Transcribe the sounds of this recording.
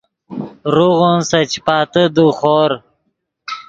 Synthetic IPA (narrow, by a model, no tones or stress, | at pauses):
ɾuɣonsɐt͡ɕpɑːt̪əd̪uχoːɾ